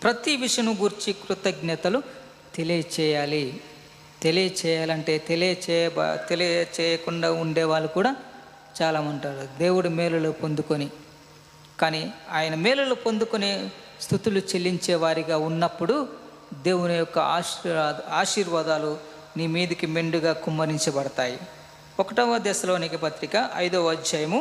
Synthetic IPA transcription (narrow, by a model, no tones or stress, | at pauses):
pɾɐt̪iʋiʂjɐnuɡuɾt͡ʃikɾut̪ɐɡnɛt̪ɐlu | t̪e̞lijɐt͡ʃɛːjaːli | t̪e̞lijɐt͡ʃɛːjaːlɐɳʈe̞ːt̪eliɐt͡ʃɛ̰t̪elit͡ʃɛːjɐkuɳɖaːuɳɖɛːʋaːɭːukuːɽaː | t͡ʃaːlaːmɐɳʈaːɾud̪e̞ːwuɽumɛːlɐloːpond̪ukoni | kaːniːaːjɐnɐmɛːlulupond̪ukoni | st̪ʰut̪ulut͡ʃelːiɲt͡ʃɛːʋaːɾiɡaːunːɐpːuɽu | d̪eːwunujɔkːɐaː | aːʃiːɾʋaːd̪aːlu | niːmiːd̪ikimeɳɖuɡaːkumːɐɾiɲt͡ʃɐbɐɽɐt̪aːji | ɔkɐʈɐʋːɐd̪ɛːsɐlo̞ːnikipɐt̪ɾikɐʔɐ̰jd̪oːʋɐd͡ʒd͡ʒɐjɐmu